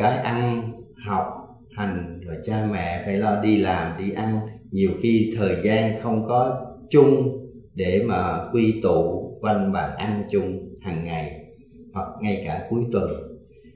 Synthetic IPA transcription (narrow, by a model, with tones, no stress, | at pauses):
kaː˨˦jʔa˧n | hɔ˨˩wk͡p̚ | ha˨˩jŋ̟zo˨˩jt͡ɕaː˧mɛ̰˧˨faː˧˩jlɔ˧ɗi˧laː˨˩mɗi˧ʔa˧nɲi˨˩əwxi˧t̪ʰəː˨˩jzaː˧nxə˧wŋ͡mkɔ˨˦t͡ɕʊ˧ŋ͡m | ɗe˧˩maː˨˩kwi˧t̪ṵ˧˨va˧nɓaː˧˩nʔa˧nt͡ɕʊ˧ŋ͡mhaː˨˩ŋːa˨˩j | hwa˨˩k̚ŋa˧jkaː˧˩ku˨˦jt̪wə˨˩n